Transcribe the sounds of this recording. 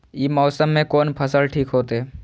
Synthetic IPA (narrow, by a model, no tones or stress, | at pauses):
jiːmɔːsəmːẽkoːnpʰəsəlʈʰiːkɦoːt̪eɛ